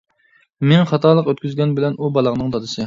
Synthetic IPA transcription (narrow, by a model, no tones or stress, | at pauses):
menχɑt̪ʰɑɾlˠəqøt̪̚kʲyzɡʲɛnbɪlɛnubɑlˠɑʁnɨŋd̪ɑd̪ɨsɨ